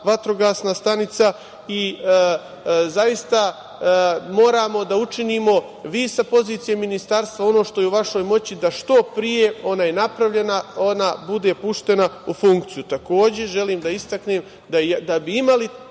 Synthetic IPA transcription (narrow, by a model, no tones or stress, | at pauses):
ʋat̪ɾo̞ɡaːsnast̪anit̪sa | i | zajist̪a | mo̞ːɾaːmo̞d̪aut͡ʃiniːmo̞ | ʋiːsapo̞ziːt̪ijeminist̪aɾst̪ʋao̞no̞ːʃt̪o̞jeuʋaʃo̞jmo̞t͡ɕid̪aʃt̪o̞pɾije̞o̞naːjenapɾaʋʎe̞naonabud̪e̞puʃt̪e̞naufuŋk̚t̪sijut̪ako̞ːd͡ʑe̞ʒe̞liːmd̪aist̪akneːm | d̪ad̪abiimali